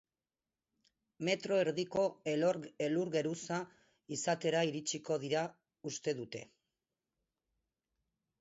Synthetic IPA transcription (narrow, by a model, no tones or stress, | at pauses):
me̞t̪ɾo̞eɾðiko̞elɾeluɾɣe̞ɾusa | isat̪e̞ɾaiɾit͡ʃiko̞ðiɾa | ust̪e̞ðut̪e̞̰